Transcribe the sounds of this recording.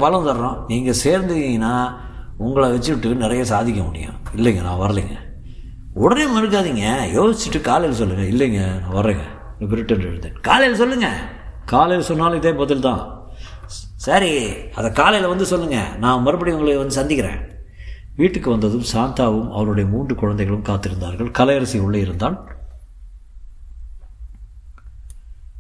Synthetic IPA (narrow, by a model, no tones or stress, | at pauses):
pɐlɐ̃nt̪ɐɾɾõːniːŋɡɐseːɾnd̪ɯɪŋɡɐnːaː | ʊŋɡɐɭɐʋɛt͡ʃːɯʈːɯnɪɾɐjɐsaːðɪk̬ʲːɐ̃mʊɽɪ̰jʊ̰̃ɪlːɐŋɡɐnã̰ːʋɐɾɐliːŋɡɐ | ʊɽɐɾeːmɪɾɯk̬ːaːðiŋɡɐjoːsɪt͡ʃːɪʈːɯkaːlɐjɪlɐsɔlːɯŋɡɐɪlːɛŋɡɐnãːʋɐɾːeːŋɡɐ̰ | nɐp̬ɪɾɪʈːɛndɪ̰ɽɯnd̪ḛːɳka̰ːlɐjɪlɐsɔlːɯŋɡɐ̰ | kaːlɐjɪlɐsɔnːaːlɪðɐːpɐːt̪ːɪlt̪ã̰ː | sɐɾiɐðɐkaːlɐjɐlɐʋɐnd̪ɯsɔlːɯŋɡɐ̰nãːmɐɾɯbɐɽiʊŋɡɐɭɯkːɯʋɐnd̪ɯsɐnd̪ɪkʲːɪɾḛ̃ː | ʋiːʈːɯkːɯʋɐnd̪ɐðɯmsaːnt̪aːʋɯmɐ̰ʋɐɾɯɽɐjɐmuːndrɯkʊɻɐnd̪ɐɪɣɐɭɯmkaːt̪ːɪɾɯnd̪aːɾɣɐɭkɐlɐjɐɾɐsiʊɭːɐɪɾɯnd̪aːl